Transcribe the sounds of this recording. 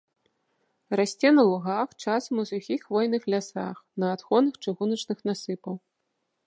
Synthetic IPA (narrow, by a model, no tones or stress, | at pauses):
rasʲt͡sʲɛnɐlˠuɣaxt͡ʂasɐmusuxʲixvɔjnɨxlʲasa̰xnɐːt̪xɔnɨxt͡ʂɨɣunɐt͡ʂnɨxnasɨpɐw